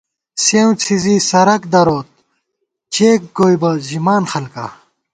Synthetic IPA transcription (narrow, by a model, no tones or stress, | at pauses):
sew̃t͡sʰiziːsɐɾɐkd̪ɐɾoːt̪̚ | t͡ɕeːk̚ɡoːjbɐʑimaːnxɐlka̰ː